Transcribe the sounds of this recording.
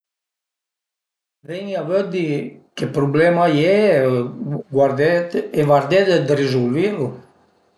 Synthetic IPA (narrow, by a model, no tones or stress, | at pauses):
vɛɲaβød̪ikepɾublɛmajɛ | ɡwaɾdevaɾd̪ɛd̪ɛd̪rezulvilu